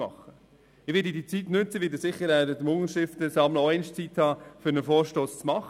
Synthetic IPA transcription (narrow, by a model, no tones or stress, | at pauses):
mɑ̰χːə | ɪʋɪːɾdidit͡sitnʏt͡səʋɪːdəsɪχːəɾædəd̪mʊŋəʃtɪftəsɑmləoɛɪnʃt͡sithɑːfʏɾnəfoːɾʃtoːst͡smɑχ